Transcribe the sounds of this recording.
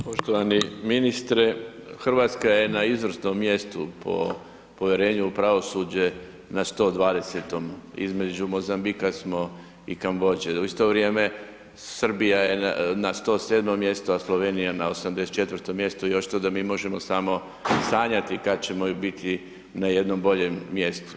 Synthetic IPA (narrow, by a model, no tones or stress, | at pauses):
poʃt̪oʋaniminist̪ɾexr̩ʋaːt̪skajenaizʋr̩snomːje̞st̪upʰo̰ | po̞ʋjeɾe̞ːɲupɾaʋo̞sud͡ʑe̞ | nast̪o̞ːd̪ʋaːd̪e̞set̪o̞mḭzme̞d͡ʑumo̞zambikasmo̞ | ḭkamʋo̞d͡ʑeuist̪o̞ʋɾje̞ːme̞ | sr̩bijajenast̪o̞ːseːd̪momːje̞st̪oaslˠoʋenijanaosamd̪eset͡ʃe̞t̪ʋr̩t̪omje̞st̪oioʃt̪od̪amiːmo̞ʒemo̞saːmo̞ | saːɲat̪ikad̪t͡ɕe̞mobit̪ʰi | najed̪no̞mbo̞ʎemːje̞st̪u̥